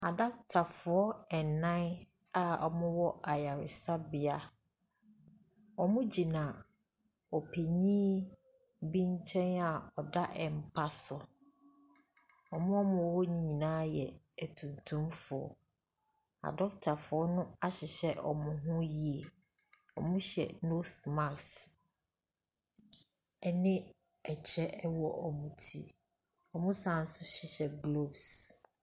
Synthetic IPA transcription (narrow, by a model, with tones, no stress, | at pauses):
a˨dɔ˦k̚tʰa˨fʊ˨ɔ˦ɛ˨nː˨ã˦n | a˨ɔ̰˨mʊ̃˦wɔ˦ʔa˨ja˨ɾɪ˨sa˦bɪ˨a˦ | ɔ˨mʊ̃˦d͡ʑi˨nã˨ | ɔ˨pʰe˨ɲĩː˦ | bĩ˦ɲ˦t͡ɕʰɛ̃˦na˨ɔ˨da˦ʔɛ˨m̩˨pʰa˦sʊ˨ | ɔ˨mʊ̃˦ɔ˦mʊ̃˨wɔ˦ɲĩ˨ɲĩ˨nãː˦jɛ˨ | ɛ˨tʰũ˨ntʰũ˦mfʊ˨ɔ̰˨ | a̰˨dɔ˦ktʰa˨fʊ˨ɔ˦nʊ̃˦a˦ɕɪ˨ɕɛ˦ʔɔ˨mʊ̃˦ɦʊ̃˦ji˦e˨ | ɔ˨mʊ̃˦ɕɛ̰˨no˦sma˨ks | ɛ˨nɪ̃˦ | ɛ˨t͡ɕʰɛ˦ʔwɔ˦˨ʔɔ˨mũ˨tʰi˦ | ɔ˨mʊ̃˦sã˨n̩˨˦sʊ˦ɕɪ˨ɕɛ˨ɡlo˦˨bs